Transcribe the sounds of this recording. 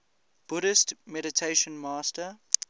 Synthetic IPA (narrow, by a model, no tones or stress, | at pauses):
b̥ʊɾɪstmɛɾɪtʰeɪʃə̃nmaːstə